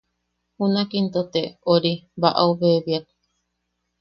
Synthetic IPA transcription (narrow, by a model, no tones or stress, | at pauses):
hunakint̪ot̪eoɾiβaʔauβeβiak̚